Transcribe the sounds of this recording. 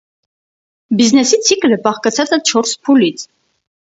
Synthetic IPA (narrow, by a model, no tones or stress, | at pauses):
biznɛsit͡sʰikɾəbɑχkat͡sʰat͡sat͡ʃʰɔɾspʰulit͡sʰ